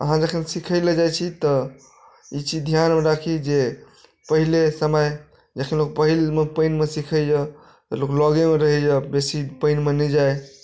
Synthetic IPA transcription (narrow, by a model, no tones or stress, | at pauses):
ə̰ɦãd͡ʒəkʰinsikʰəjled͡ʒajt͡ʃʰit̪ɔ | it͡ʃid͡ʒd̪ʱjanmeɾakʰid͡ʒe | pəɦilesəməj | d͡ʒəkʰinlok̚pəɦilmepəɪnmesikʰəd͡ʒa | t̪əloklɔɡemeɾəɦɛd͡ʒabesipəɪnmenəd͡ʒaj